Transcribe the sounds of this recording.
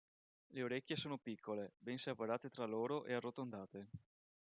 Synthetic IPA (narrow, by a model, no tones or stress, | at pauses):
leoɾekʲːjesoːnopikʰːolebɛnsapaɾaːt̪et̪ɾaloːɾoʔearːot̪ond̪aːt̪e